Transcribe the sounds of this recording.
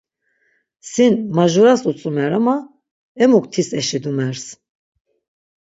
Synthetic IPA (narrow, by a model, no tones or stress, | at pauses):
sinmaʒuɾasut͡sʼumɛɾama | ɛmukʼt̪ʰisɛʃid̪umɛɾs